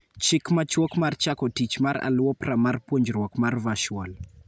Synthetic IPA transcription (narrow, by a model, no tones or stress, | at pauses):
t͡ʃikmat͡ʃɔkmart͡ʃakɔtit͡ʃmaɾa̰luwɔpɾamarpoɲd͡ʒɾwɔkmarvaʃwɔl